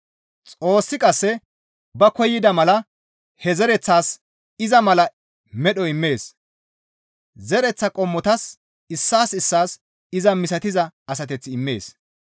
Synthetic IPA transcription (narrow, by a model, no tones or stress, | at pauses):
t͡sʼo̞ːsːɪkʼɐsːɛ | bɐkɔjːɪd̪ɐmɐlɐ | hɛzɛɾɛt͡sːaːs | ɪzɐmɐlɐ | mɛɗɔɪmːeːs | zɛɾɛt͡sːɐkʼɔmːɔt̪ɐs | ɪsːaːsɪsːaːs | ɪzɐmɪsɐt̪ɪzɐɐsɐt̪ɛt͡sːɪɪmːe̞ːs